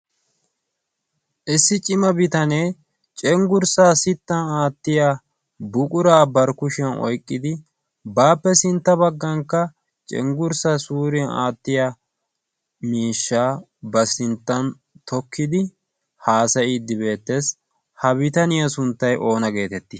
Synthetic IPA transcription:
ʔɪsːɪt͡ʃʼɪmɐbɪt̪ɐnej | t͡ʃʼɛŋɡʊɾsaːsɪt̪ːɐnaːt̪ːɪja | bʊkʼʊɾaːbɐɾkʊʃɪjɐnɔ̰jkʼːɪd̪ɪ | baːpːɛsɪnt̪ːɐbɐɡːɐŋkːɐ | t͡ʃʼɛ̰ŋɡʊɾsasuːɾɪjɐna̰ːt̪ːɪjɐ | miːʃːaː | bɐsɪnt̪ːɐn | t̪ʰɔkːɪd̪ɪ | haːsɐɪd̪ːɪbe̞ːt̪ːes | hɐbɪt̪ɐnɪjɐsʊnt̪ːɐjʔo̞ːnɐɡe̞ːt̪ɛt̪ːɪ

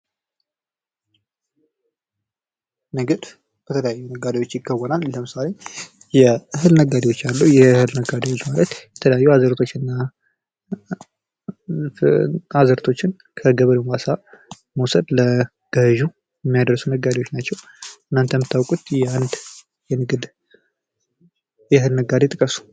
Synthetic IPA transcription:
nəɡɨd̪ | b̥ət̪ʰələjajːunəɡːad̪iwo̞t͡ʃːjɪɡːəwənalːəmɨsale | jɛhɨlnəɡad̪iwo̞t͡ʃːalːuwjɛhɨlnəɡad̪ewot͡ʃːmaɾət̪jɛt̪ʰələjajːuazəɾt̪ʰo̞t͡ʃːɪnːa | azəɾt̪ʰo̞t͡ʃːɪn | kʰəɡəβələmwasa | məwsəd̪lə | ɡ̥əhɨʒu | jɛmːijad̪əɾsunəɡːad̪eo̞t͡ʃːnat͡ʃːɛw | ɨnːant̪ʰəmɨt̪ʰːawkʼut̪jɛand̪ | jɛnɨɡɨd̪ | jɛɦɨlnəɡad̪et̪ʼɨkʼəsu̥

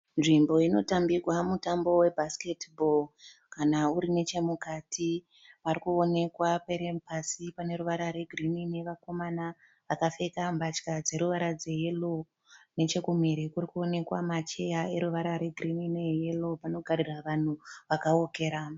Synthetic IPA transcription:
nʐimbo̞ino̞tambirwamutambo̞we̞bʱaske̞tbolkanauɾine̞t͡ʃe̞mukatʰi | ʋarikuo̞ne̞kwapeɾepasipane̞ɾuʋaɾaɾe̞ɡʱrimineʋako̞mana | ʋakafe̞kambat͡ʃkad͡ze̞ɾuʋaɾad͡ze̞je̞lo | ne̞t͡ʃe̞kum̤iɾikurikuo̞ne̞kwa̰mat͡ʃe̞jae̞ɾuʋaɾaɾe̞ɡʱirinineje̞lo̞pano̞ɡʱariraʋan̤uʋakaoke̞ːɾa

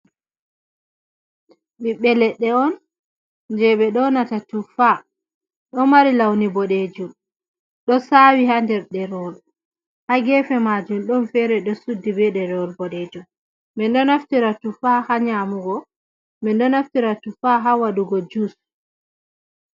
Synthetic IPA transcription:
ɓiɓɛlɛɗɛɔn | d͡ʒɛɓɛɗɔnatatufa | ɗɔmaɾilawnibɔɗed͡ʒum | ɗɔsawihandɛɾɗɛɾɔl | haɡɛfɛmad͡ʒumɗɔnfɛɾɛɗɔsudːibɛɗɛɾɔlbɔɗɛd͡ʒum | mɛnɗɔnaftiɾatufahaɲamuɡɔ | mɛnɗɔnaftiɾatufaɦawaɗuɡɔd͡ʒus

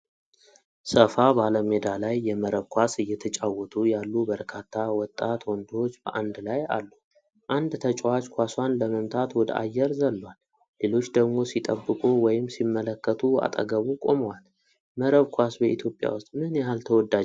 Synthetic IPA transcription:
səfabaləme̞d̪alajːɛməɾəβkʰʷasɨjːɛt̪ʰət͡ʃʼawːɔt̪ʰujalːubəɾkʰat̪ʰːawɔt̪ʼːat̪wɔnd̪o̞t͡ʃːb̥ə̰ʔand̪laja̰lːu | ʔand̪t̪ʰət͡ʃʼwat͡ʃkʰʷaswanləməmt̪ʰat̪wɔd̪əa̰jːɛɾzəlːəwalː | e̞lo̞t͡ʃːd̪əɡmo̞sit̪ʼəbːɨkʼuwɔjɪmsimːələkːət̪ʰua̰t̪ʼə̰ɡəβukʼo̞məwal | məɾəβkʰʷasbəit̪ʰjo̞pʼja̰wʊst̪ʼmɨnjɛɦalt̪ʰəwɔd̪ːa

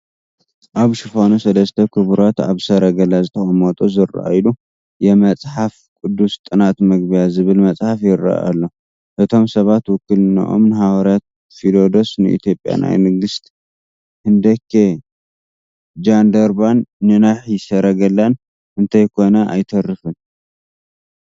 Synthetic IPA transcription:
ʔaβʃɨfonusɐlɐst̪ʰɐkʰɨβɾot̪aβsɐɾɐɡɐlazɨt̪ʰɐxʼɐmot̪ʼozɨra̰ʔa̰jlu | jɛmɐt͡sʼħaf | kʼʊd̪ːust̪ʼɨnat̪mɐɡbijazɨβɨlmɐt͡sʼħafjɪɾa̰ʔa̰lːo̞ | ʔɨt̪ʰo̞msɐβat̪wʊkːɨlna̰ʔo̰mnɨhaɡɐɾat̪̚ | filo̞d̪o̞snɨʔḭt̪ʰjo̞pʼja̰na̰jmɨɡɨst̪ | hɨnd̪ɐkʰːe | d͡ʒand̪ɐɾbanːɨnaħjɪsɐɾɐɡɐlːan | ʔɨnt̪ʰajkʰo̞nɐʔa̰jt̪ʰɐrːɨfɨn

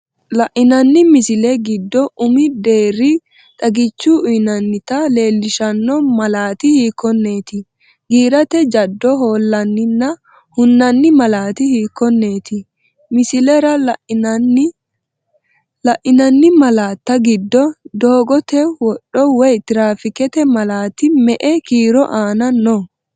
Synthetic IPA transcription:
lɐʔɪnɐnːɪmɪsɪlɛɡɪd̪ːɔʔʊmɪd̪e̞ːrɪ | t̪ʼɐɡɪt͡ʃːʊʔʊjnɐnːɪt̪ɐle̞ːlːɪʃɐnːɔmɐlaːt̪ɪhiːkːɔnːe̞ːt̪ɪ | ɡiːɾɐt̪ɛd͡ʒɐd̪ːɔɦo̞ːlːɐnːɪnːɐ | hʊnːɐnːɪmɐlaːt̪ɪhiːkːɔnːe̞ːt̪ɪ | mɪsɪlɛɾɐ | lɐʔɪnɐnːɪmɐlaːt̪ːɐɡɪd̪ːɔd̪o̞ːɡɔt̪ɛwɔɗːɔwɛjt̪ɪɾaːfɪkɛt̪ɛmɐlaːt̪ɪmɛʔɛkiːɾɔʔaːnɐnːɔ

